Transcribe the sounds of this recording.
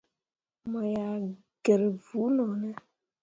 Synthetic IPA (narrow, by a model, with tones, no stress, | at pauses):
mɔ˨ja˨ | ɡ̥e˨ɾvu˨˦nɔ˨nɛ˦